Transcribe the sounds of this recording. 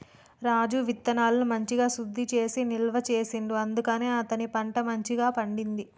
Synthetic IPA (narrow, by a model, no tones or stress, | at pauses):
ɾaːd͡ʒuʋit̪ːɐnaːlɐnumɐɲt͡ʃiɡaːsud̪ʱːit͡ʃe̞ːsinilʋɐt͡ʃe̞ːsiɳɖuɐnd̪ukɐne̞ːɐt̪ɐnipɐɳʈɐmɐɲt͡ʃiɡaːpɐɳɖind̪i